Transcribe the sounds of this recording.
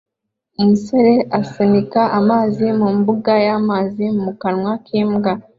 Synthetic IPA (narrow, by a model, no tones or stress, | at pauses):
umusoɾe̞ʔasenikaʔamaːzimumbuɡajamaːzimumukanŋwakʰiːmɡa